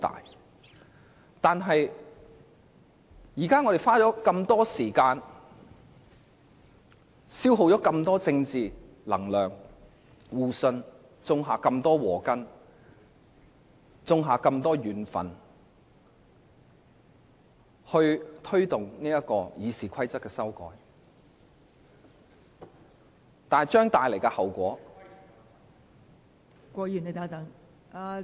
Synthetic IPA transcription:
t̪a̰ː˨j | t̪aː˨nɦɐ˨j | jiː˨˩kaː˥ŋɔː˨˧e˨˩faː˥t͡sɔː˨˥kɐ˧mt̪ɔː˥siː˨˩kaː˧n | siː˥wɦo˨˧wt͡ʃɔː˨˥kɐ˧mt̪ɔː˥t͡sɪ˧ŋt͡siː˨ | lɐ̰˨˩ŋlœː˨ŋ | wuː˨sɵ˧n | t͡sʊ˧ŋɦaː˨kɐ˧mt̪ɔː˥wɔː˨˩kɐ˥n | t͡sʊ˧ŋɦaː˨kɐ˧mt̪ɔː˥jyː˨nfɐ̰˨˩n | hɵ˧ɥt̪ʰɵ˥ɥt̪ʊ˨ŋniː˥jɐ˥kɔː˧jiː˨˧siː˨˩kʰɐ˥jt͡sɐ˥kːɛː˧sɐ˥wkɔ̰ː˨˥j | t̪aː˨t͡ʃœː˥ŋt̪aː˨jle˨˩jkɛ˧hɐ˨˩wkʷɔː˨˥ | kʷɔː˧jy˨˩ne˨˩t̪ɐ˨˥ŋt̪ɐ˨˧˥ŋ | a˧

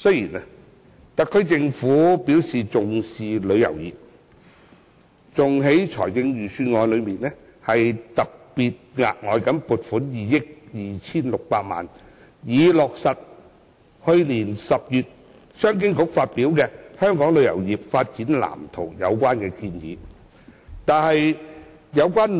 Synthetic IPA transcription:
sɵ˥ɥjiː˨˩na˥ | t̪ɐ˨kʰːɵ˥t͡sɪ˧ŋfuː˨˥pi˨˥wsiː˨t͡sʊ˨ŋsiː˨lɵ˨˧ɥjɐ̰˨˩wjiː˨p̚ | t͡sʊ˨ŋɦe˨˥jt͡ʃʰɔ̰ː˨˩jkɪ˧ŋjyː˨syː˧nŋɔː˧jlɵ˨˧miː˨˩nlɛ˥ | hɐ˨jt̪ɐ˨k̚piː˨t̚ŋa̰ː˨k̚ŋɔː˨˧jkɐ˨˥npuː˨t̚fuː˨˥njiː˨jɪ˥k̚jiː˨t͡sʰiː˥nlʊ˨k̚paː˧t̚ma̰ː˨n | jiː˨˧lɔː˨k̚sɐ˨t̚ | hɵ˧ɥliː˨˩nsɐ˨p̚jyː˨t̚ | sœː˥ŋk̬ɪ˥ŋkʊ˨˥k̚faː˧t̚pi˨˥wkɛː˧hœː˥ŋkɔː˨˥ŋlɵ˨˧ɥjɐ̰˨˩wjiː˨p̚faː˧t̚t͡siː˨˥nla̰ː˨˩mt̪ʰo˨˩wjɐ̰˨˧wkʷaː˥nkɛː˧kiː˧njḭː˨˥ | t̪aː˨nhɐ˨j | jɐ˨˧wkʷaː˥n

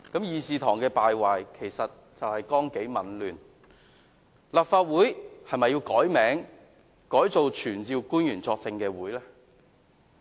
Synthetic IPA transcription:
kɐ˨˥mjiː˨˧siː˨˧t̪ʰɔː˨˩ŋkɛː˧paː˨jwaː˨jkʰe˨˩jsɐ˨t̚ | t͡sɐ˨whɐ˨jkɔː˥ŋke˨˥jmɐ˨˥nlyː˨n | lɐː˨p̚faː˧t̚wuː˨˥jhɐ˨jmɐ˨jːiː˧wkɔː˨˥jmɛː˨˥ŋ | kɔː˨˥jt͡so˨wt͡ʃʰyː˨˩nt͡siː˨˧wkuː˥njyː˨˩nt͡sɔː˧k̚t͡sɪ˧ŋkɛː˧wuː˨˥jlɛː˥

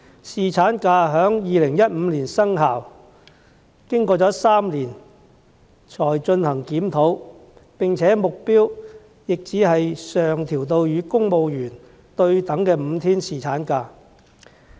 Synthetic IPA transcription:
siː˨t͡sʰaː˨˥nkaː˧ɦœː˨˥ŋjiː˨˧lɪ˨˩ŋjɐ˥t̚m̩˨˧liː˨˩nsɐ˥ŋɦaː˨˩w | kɪ˥ŋkɔː˧t͡sɔː˨˥saː˥mliː˨˩n | t͡ʃʰɔː˨˩jt͡ʃɵ˧nhɐ˨˩ŋkiː˨˥mt̪ʰo˨˥w | pɪ˨ŋt͡sʰɛː˨˥mʊ˨k̚piː˥w | jɪ˨k̚t͡siː˨˥hɐ˨jsœː˨ŋt̪ʰiː˨˩wt̪o˧wjyː˨˧kʊ˥ŋmo˧wjyː˨˩n | t̪ɵ˧ɥt̪ɐ˨˥ŋkɛː˧m̩˨˧t̪ʰiː˥nsiː˨˩t͡sʰaː˨˥nkaː˧

